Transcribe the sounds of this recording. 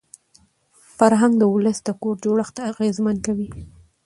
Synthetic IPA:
faɾɦaŋɡd̪əwʊləsd̪əkoɾd͡ʒoɽəxt̪aaɣezmankawi

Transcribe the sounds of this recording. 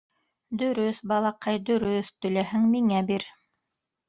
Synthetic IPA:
d̪ɵ̆ɾɵθbɑlˠɑqɑjd̪ɵ̆ɾɵθt̪ɵ̆læhɘŋmiŋæbiɾ

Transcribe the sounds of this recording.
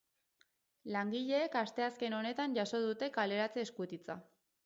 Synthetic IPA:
laŋɡiʎe̞ːkast̪e̞aske̞no̞ne̞t̪aɲʝaso̞ðut̪e̞kale̞ɾat͡seːskut̪it͡sa̰

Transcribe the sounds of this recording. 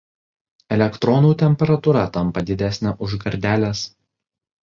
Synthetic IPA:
ɛlʲɛkt̪ɾɔnuːt̪ʲɛmʲpʲɛɾɐt̪uɾɐt̪ɐmpɐd̪ʲɪd̪ʲæˑsʲnʲɛʔʊʒɡɐɾʲd̪ʲæːlʲes

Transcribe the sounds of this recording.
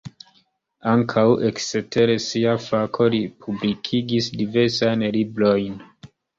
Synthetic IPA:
aŋkʰawʔe̞ksete̞ɾesiafakʰo̞lipʰublikʰiɡisdive̞ɾsajnlibɾo̞jn

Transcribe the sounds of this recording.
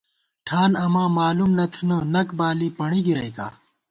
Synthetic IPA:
ʈʰaːnɐmãːmaːlumnɐt̪ʰunɐnɐkbaːlipɐɳiɡiɾɐjka̰ː

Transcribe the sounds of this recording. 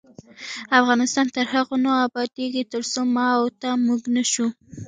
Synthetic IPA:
afɣɑnɪst̪ɑnt̪əɾhaɣonoabɑd̪eɡit̪əɾsomɑwt̪amuɡnaʃu

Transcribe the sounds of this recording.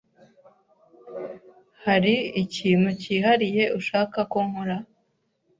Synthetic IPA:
haɾiiciːmuciːɦaɾije̞ʔuʃaːkakoŋhoɾa

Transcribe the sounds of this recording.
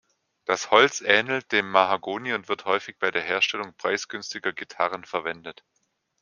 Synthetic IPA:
d̥ashɔlt͡sʔɛːnl̩t̚d̥eːmːaɦaɡoːniʊntv̥ɪɐthɔʏfɪçb̥aɪdeːɐɦeːɐʃtɛlʊŋpʁ̥aɪsɡ̥ʏnstɪɡɐɡitʰaʁənfɛɐvɛndət

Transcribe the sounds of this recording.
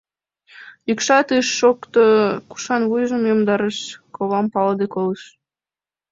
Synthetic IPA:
jykʃɑt̪ɯʃːokt̪oku̥ʃɑnβujʒəmjomd̪ɑɾəʃkoβɑmpɑld̪ekoləʃ

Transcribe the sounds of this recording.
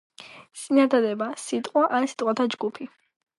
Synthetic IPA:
t̪sʼinad̪ad̪ɛbasit̪ʼqʼwaʔansi̥t̪ʼwat̪ʰad͡ʒɡupʰi

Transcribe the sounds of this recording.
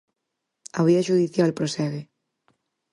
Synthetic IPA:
aβiaʃuðiθjalpɾosɛɣe

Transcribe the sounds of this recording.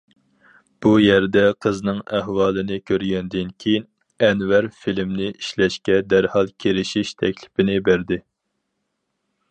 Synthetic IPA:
b̥ujɛɾd̪ɛqʰəznɨŋæɦwɑːlˠɨnɨkʲʰøɾɡʲɛnd̪ɪnkʲʰejin | ɛnvæɾfilmnɪʔiʃlɛʃkʲɛd̪æɾhɑlˠkʲʰeɾɪʃiʃt̪ʰɛkʲlɪ̥pɪnɪbæɾd̪ɪ

